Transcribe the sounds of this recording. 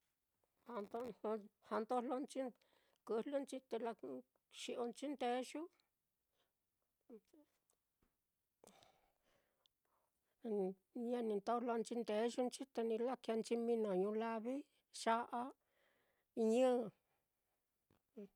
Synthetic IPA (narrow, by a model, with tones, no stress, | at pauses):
ha˧nt̪o˧o˧ha˧nt̪o˦˧lo˧nt͡ʃi˦ | kɨ˧lu˦nt͡ʃi˧t̪e˧la˧ | ʃi˧ʔo˧nt͡ʃi˦nd̪e˧˦ʃu˦˧ | ɲã˦˧nĩ˧nt̪o˦˧lo˧nt͡ʃi˧nd̪e˨˦ʃu˦nt͡ʃi˦t̪e˧nĩ˧la˦ka˧nt͡ʃi˧mĩ˧nõ˨ɲũ˧la˧βi˦ | ʂa˦ʔa˦ | i˧ɲɨ̃˦˨˧